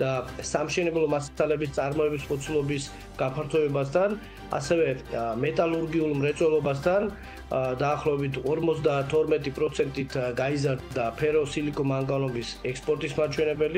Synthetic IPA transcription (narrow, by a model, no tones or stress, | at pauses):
d̪̥asamʃɛnɛblˠɔmassʰalɛbist̪sʼaɾmɔɛbispʼɔt̪sʰulˠɔbis | ɡ̥apʰaɾt̪ʰɔɛbast̪ʰan | a̰sɛvɛmɛt̪ʼalˠuɾɡiulˠmɾɛt̪sʼwɛlˠɔbast̪ʰan | d̪aːχlˠɔvɛbit̪ʰɔɾmɔt̪sd̪at̪ʰɔɾmɛt̪ʼipʼɾɔt̪sʰɛnt̪ʼit̪ʰɡaizaɾd̪d̪apʰɛɾɔsilikʼɔmaŋɡanɔbisɛkspʼɔɾt̪ʼismat͡ʃʰwɛnɛbɛli